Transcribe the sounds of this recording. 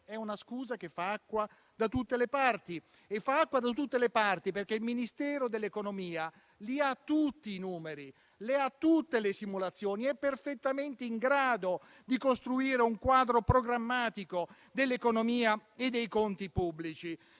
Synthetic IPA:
ɛunaskuːzak̟efaakːwa | d̪at̪ut̪ːelepart̪i | efːaakːwad̪at̪ut̪ːelepart̪iperk̟eilminist̪ɛːɾod̪elːekonomiːa | liat̪ːut̪ːiːnuːmeɾi | leat̪ːut̪ːelesimulat̪sːjoːniɛpːerfet̪ːament̪eiŋɡɾaːd̪o | d̪ikost̪ɾuiːɾeuŋkwaːd̪ɾopɾoɡɾamːaːt̪iko | d̪elːekonomiːaed̪ːejkont̪ipubːlit͡ʃi

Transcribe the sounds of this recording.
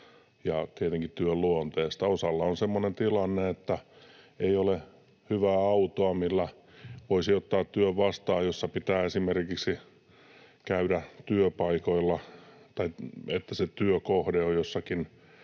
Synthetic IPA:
jɑt̪iet̪eŋkit̪t̪yølluont̪eːst̪ɑosɑlːɑonsemːonent̪ilɑnːeet̪ːæ | eiole | hyʋæːɑut̪oɑmilːæ | ʋoisiot̪ːɑːt̪t̪yøʋʋɑst̪ɑːjjosːɑpit̪æːesimerkiksi | kæyɾæt̪yøpɑikoilːɑ | t̪ɑiet̪ːæset̪yøkohdeojjosːɑkin

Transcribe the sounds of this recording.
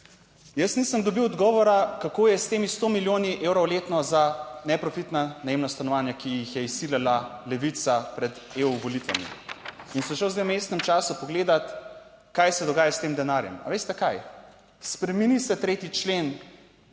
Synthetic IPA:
jəsniːsəmd̪ɔbiwɔd̪ɡɔːʋɔɾakakoːjɛst̪eːmist̪omiljoːniʔewɾɔwleːt̪nɔzanɛpɾɔfit̪nanajemnast̪anɔʋaːnjakijixjɛisːilalalɛʋit̪sapɾɛd̪ | eːuʋolit̪ʋa̰mḭ | insɔʃɛwzd̪ewmeːst̪nɛmt͡ʃaːsupɔɡleːd̪at̪ | kajsɛd̪ɔɡaːjast̪eːmd̪ɛnaːɾjɛ̰ma̰ʋeːst̪ɛkaj | spɾɛminisɛt̪ɾeːt̪it͡ʃleːn

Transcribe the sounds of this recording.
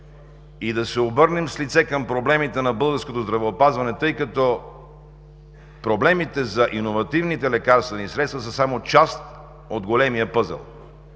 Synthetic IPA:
id̪ɐsɛobɤɾnɛmslit̪sɛkɐmpɾoblɛmit̪ɛnɐbɤlˠɡəɾskot̪ozd̪ɾɐvɛopazvɐnɛt̪ɤjkɐt̪ɔ | pɾoblɛmit̪ɛzɐʔinovɐt̪ivnit̪ɛlɛkaɾst̪vɛnisɾɛt̪st̪vɐsəsamot͡ʃast̪ | od̪ɡolɛmijəpɤzɛ̰lˠ

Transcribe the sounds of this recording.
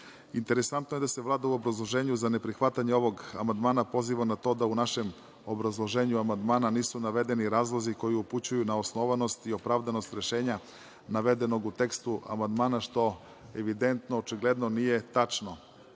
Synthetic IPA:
int̪e̞ɾesant̪nojed̪ase̞ʋlˠaːd̪auobɾazlˠo̞ʒe̞ːɲuzane̞pɾixʋat̪aɲeo̞ʋo̞ɡa̰mand̪maːnapo̞ziʋanat̪o̞d̪aunaʃe̞m | obɾazlˠo̞ʒeːɲuamand̪maːnaniːsunaʋe̞d̪e̞niɾaːzlˠoziko̞jiuput͡ɕujunaosno̞ʋano̞st̪io̞pɾavd̪ano̞st̪ɾe̞ʃeːɲa | naʋed̪e̞no̞ɡut̪e̞kst̪uʔa̰mand̪maːnaʃt̪o̞ | eʋid̪e̞nt̪noːt͡ʃiɡled̪no̞nije̞t̪at͡ʃno̞

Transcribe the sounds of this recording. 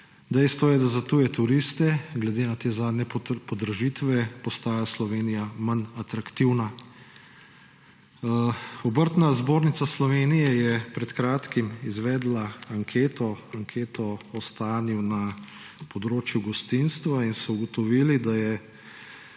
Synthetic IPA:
d̪ɛjst̪ʋɔjɛd̪azat̪ujɛt̪uɾist̪ɛɡlɛd̪eːnat̪eːzaːd̪nʲɛpɔd̪ɾaʒit̪ʋɛpɔst̪aːjaslɔʋeːnijamanat̪ɾakt̪iwna | ɔbəɾt̪nazboːɾnit̪saslɔʋeːnijɛjɛpɾɛt̪kɾaːt̪kimizʋɛːd̪laaŋkʰeːt̪ɔaŋkʰeːt̪ɔɔst̪aːniwna | pɔd̪ɾoːt͡ʃjuɡɔst̪inst̪ʋainsɔuɡɔt̪ɔʋiːlid̪ajɛ

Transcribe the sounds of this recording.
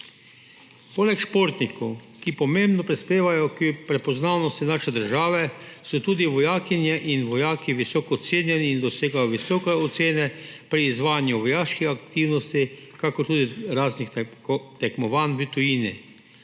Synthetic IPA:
poːlɛkʃpoːɾt̪nikɔw | kipɔmembnɔpɾispeːʋajɔkpɾɛpɔznaːwnɔst̪inaːʃɛd̪əɾʒaːʋɛsɔt̪uːd̪iʋɔjaːkinjɛʔinʋɔjaːkiʋisɔːkɔt̪seːnjɛniːnd̪ɔseːɡajɔʋisɔːkɛɔt̪seːnɛpɾiːzʋaːjnjuʋɔjaːʃkixakt̪iːwnɔst̪i | kakɔɾt̪uːd̪iɾaːznixt̪ɛkmɔʋaːnʋit̪ujiːnɛ

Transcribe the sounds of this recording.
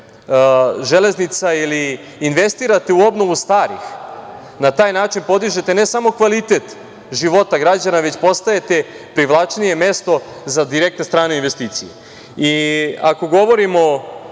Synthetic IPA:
ʒele̞znit̪sailiː | nʋe̞st̪iːɾat̪euo̞bno̞ʋust̪aːɾḭx | nat̪aːjnaːt͡ʃinpo̞d̪iʒet̪ene̞samo̞kʋalit̪e̞t̪ | ʒiʋo̞t̪aɡɾad͡ʑanaʋe̞t͡ɕpo̞st̪ae̞t̪e̞ | pɾiʋlˠat͡ʃnije̞me̞st̪o̞ | zad̪iɾe̞k̚t̪nest̪ɾaːne̞inʋe̞st̪iːt̪sijḛ | iako̞ɡo̞ʋo̞ɾimo̞

